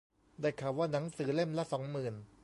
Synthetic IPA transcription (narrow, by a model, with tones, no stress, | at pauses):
daː˥˩jkʰaː˨˧˩waː˥˩na˩˦ŋsɯː˩˦le˥˩mlɛ˦˥sɔː˩˦ŋmɯː˨˩n